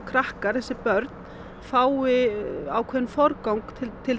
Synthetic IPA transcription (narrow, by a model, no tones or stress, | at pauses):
kʰɾahkaɾ̥θɛsːɪpœɾt̪n̥ | faːwɪaːwkʰvɛðɪnfɔɾkawŋkt̪ɪt̪ʰɪl